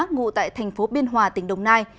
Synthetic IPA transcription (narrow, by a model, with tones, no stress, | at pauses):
ŋṵ˧˨t̪a̰ː˧˨jt̪ʰa˨˩jŋ̟fo˨˦ɓi˧ənɦwaː˨˩t̪ï˨˩˦ŋ̟ɗə˨˩wŋ͡mnaː˧j